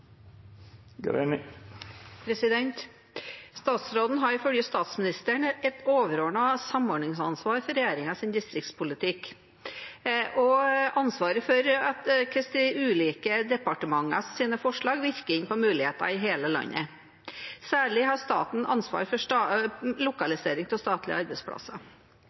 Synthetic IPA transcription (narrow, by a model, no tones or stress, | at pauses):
ɡɾɛ̰n | pʰɾɛsɪd̪ɛnt̪ | st̪ɑːt̪sɾoːd̪n̩ɦɑɾɪfœljəst̪ɑːt̪smɪnɪst̪əɳəʔɛt̪oːʋəɾoːɳɑsɑmɔːɖɳɪŋsɑnsʋɑːɾfɔɾɛjæːɾɪŋɑsɪnd̪ɪst̪ɾɪkt̪spʊlɪt̪ʰɪk | ʔɔɑnsʋɑːɾəfɔɾɑt̪kʰɾɛst̪ɪʉːliːkəd̪ɛpɑʈəmɑŋːɑ̰ssiːnəfɔʂɭɑːɡʋɪɾkəɾɪnpɔmʉːlɪheːt̪ɑ̰ɪɦeːləlɑ̰ɲːʔə̰ | sæːɭɪɦɑst̪ɑ̰ːt̪n̩ʔɑ̰nsʋɑ̰ːɾfɔʂ | lʊkɑlɪseːɾɪŋt̪ʰɪlst̪ɑːt̪ʰlɪ̰ə̰ɑɾbɛɪspʰɽɑ̰sɑ